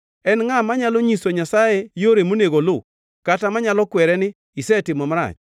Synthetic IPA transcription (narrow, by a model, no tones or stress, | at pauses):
ɛnŋamaɲalɔɲisoɲasajɛjoɾemoneɡolʊ | katamaɲalɔkwɛɾɛnɪ | isɛtɪmɔmaɾa̰t͡ʃ